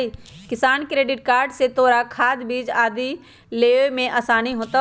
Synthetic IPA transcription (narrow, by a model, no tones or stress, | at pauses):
ikɪsaːnkɾeːɖɪʈ̚kaːɾɖset̪oːɾakʰaːd̪biːd͡ʒaːd̪ʱi | leːomẽʔɐsaːniɦoːt̪ə